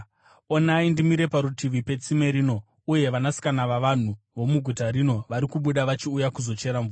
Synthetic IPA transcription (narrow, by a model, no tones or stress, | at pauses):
o̞naindimiɾe̞paɾutiʋipe̞t͡sime̞ɾino̞ | uje̞ʋanasi̥kanaʋaʋan̤u | ʋo̞muɡʱutaɾino̞ʋaɾikuɓuɗaʋat͡ʃiujakuzo̞t͡ʃe̞ɾaɱvua